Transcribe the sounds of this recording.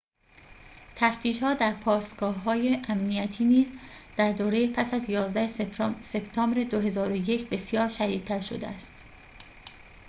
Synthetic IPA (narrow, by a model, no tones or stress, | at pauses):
t̪ʰæft̪ʰiːʃhɒːd̪æɾpʰɒːst̪ɡ̥ɒːɦɒːjeʔæmniæt̪ʰiːniːzd̪̥æɾd̪oːɾe̞jepʰæsæzjɒːzd̪æhesebt̪ʰɒːmbɾe̞d̪oɦe̞zɒːɾoje̞cʰbe̞sjɒːɾʃæd̪iːd̪̚t̪ʰːæɾʃo̞̰d̪eæst̪